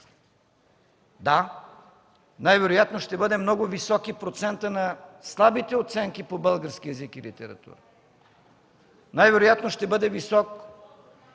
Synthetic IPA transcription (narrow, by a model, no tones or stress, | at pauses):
d̪a | najvɛɾʊjat̪noʃt̪ɛbɤd̪ɛmnɔɡʊvisɔkipɾot̪sɛnt̪ənɐslˠabit̪ɛot̪sɛŋkipobɤlˠɡəɾskiɛzikilḭt̪ɛɾɐ̰t̪ṵɾə | najvɛɾojat̪noʃt̪ɛbɤd̪ɛvisɔk